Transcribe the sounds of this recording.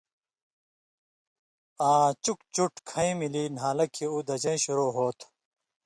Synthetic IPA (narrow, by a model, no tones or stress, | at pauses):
aːt͡ɕuk̚t͡ɕuʈkʰɐ̃ĩmilinɦaːlɐkʰiuːd̪ɐd͡ʑɐ̃jɕuɾoːɦoːt̪ʰ